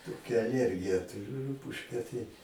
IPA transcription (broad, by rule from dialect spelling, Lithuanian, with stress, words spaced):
toːˈkʲɛ ɐˈlʲiɛrʲɡʲɪjɛ tʊˈrʲʊ ˈrʊpʊʃʲkʲɛ tɐɪ